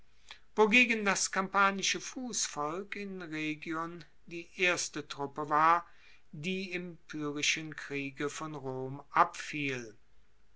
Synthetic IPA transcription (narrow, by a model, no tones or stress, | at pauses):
voɡeːɡəndaskampaːnɪʃəfuːsfɔlkɪnʁeːɡjɔn | diːʔeːɐstətʁ̥ʊpəvaːɐ | diːɪmpʰyːʁɪʃənkʁ̥iːɡəfɔnʁoːmʔapfiːl